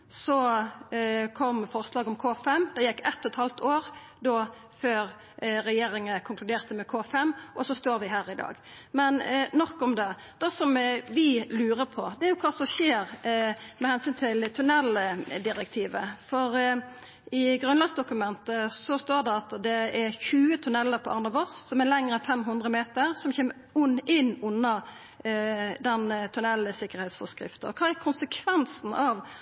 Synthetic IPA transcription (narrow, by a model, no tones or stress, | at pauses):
sɔ | kʰɔmːfɔɾslɑːɡɔmkʰoːfɛmːd̪ɛjɛkːɛt̪ːɔt̪hɑlt̪ʰoːɾ | d̪ɔ | føːɾ | ɾɛjeːɾɪŋəkʰʊŋklʉd̪eːʁt̪əmɛkʰoːfɛmːʔɔsɔst̪oːɾʋɪɦæːɾɪd̪ɑ̰ːɡmɛnnɔkːɔmd̪ɛ | d̪̥ɛsɔmʋɪlʉːɾəpʰɔd̪ɛæɾjʊkʰɑːt̪sɔʃeːɾmɛhɛnsyːnt̪ʰɪlt̪ʰʉnɛlːəd̪ɪɾɛk̚t̪ʰiːʋəfɔɾ | ɪɡɾʉnlɑɡsd̪ʊkʉmɛnt̪əsɔst̪oːɖɛɑt̪d̪ɛæɾçʉːət̪ʰʉnɛlːəɾpʰɔʔɑnɑbɔsːɔmælɛŋːəɾɛnfɛmɦʉnd̪ʁəmeːt̪əɾsɔmçeːmə | ʊnɪnːʊnːɑ | d̪ɛnt̪ʰʉnɛlːəsɪkːəɾhɛɪt̪sfɔskɾɪ̰ft̪əɔkʰɑːækʰʊnsəkʰʋɛnsn̩ɑʋ